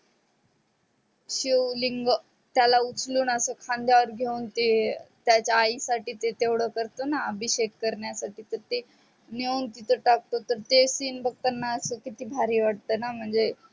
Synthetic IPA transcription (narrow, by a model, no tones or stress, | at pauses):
ɕuliŋɡ | t̪jalaut͡sluːnəsəːkʰãnd̪jaʋəɾɡʱeuːnt̪et̪jat͡ɕaːisaʈiːt̪et̪eʋɽ̤əkəɾt̪onaəbʱiɕekkəɾɳjasaʈiːt̪əɾt̪e | neuːnt̪it̪ʰəʈak̚t̪ot̪əɾt̪esiːnbəɡ̚t̪ənːaəsəːkit̪iːbʱaɾiːʋaʈ̚t̪əːnam̤əɳd͡ze